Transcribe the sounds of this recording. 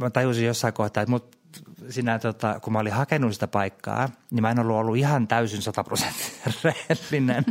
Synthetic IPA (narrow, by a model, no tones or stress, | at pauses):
mæt̪ɑjusijjosːɑikoht̪ɑːmut̪ | siːnæt̪ot̪ɑkumæolihɑkenːusi̥t̪æpɑikːɑ̰ːnimæˑenolːuolːuihɑnt̪æysinsɑt̪ɑprose̥nt̪ːi̥rrehelːinen